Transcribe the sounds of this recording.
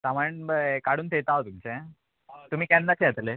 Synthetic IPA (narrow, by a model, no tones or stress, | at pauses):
saməɳbkaɽuːnt̪ʰet̪aɦot̪umt͡ɕẽ | t̪um̤iːkɛ̃nd̪at͡ɕeat̪le